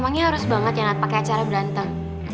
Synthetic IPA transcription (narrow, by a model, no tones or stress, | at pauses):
maŋɲaɦaɾʊsbaŋat̪jaŋapakɛat͡ʃaɾabəɾant̪aŋ